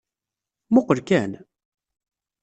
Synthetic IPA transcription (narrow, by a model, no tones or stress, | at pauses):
mʊqːəɾkæn